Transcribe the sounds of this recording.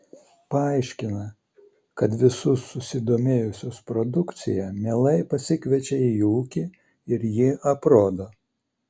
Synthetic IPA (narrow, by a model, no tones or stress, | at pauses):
pɐɐɪʃʲkʲɪnɐ | kɐt̪ʋʲɪsʊsːʊsʲɪd̪oːmʲeːjʊsʲoːspɾɔd̪ʊkt̪sʲɪjɛmʲeːlˠɐɪpɐsʲɪkʲʋʲɛt͡ʃʲɛiuːkʲɪ | ɪɾjɪʔɐpɾoːd̪oː